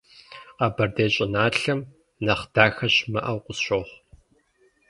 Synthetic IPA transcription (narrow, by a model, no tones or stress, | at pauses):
qɐbɐrdeːɕʼɪnaːɬɐm | nɐχd̥aːxɐɕmɐʔɐwqʷʊsɕʷoːχʷ